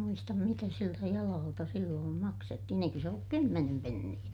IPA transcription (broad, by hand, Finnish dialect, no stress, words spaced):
muistɑm mitæ siltæ jɑlɑːltɑ silːoːm mɑksetːihin eikø se olːuk kymːenem penːij̆æ